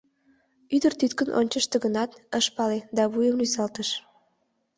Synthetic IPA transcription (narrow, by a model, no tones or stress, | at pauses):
yd̪ərt̪yt̪kənʔo̰nʲt͡ɕəʃt̪eɡənɑt̪əʃpɑled̪ɑβujəmlysɑlt̪əʃ